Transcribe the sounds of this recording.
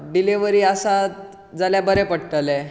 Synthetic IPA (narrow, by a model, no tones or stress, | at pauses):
ɖiliʋəɾiːasat̪ | d͡zaljabəɾɛpəɽʈəle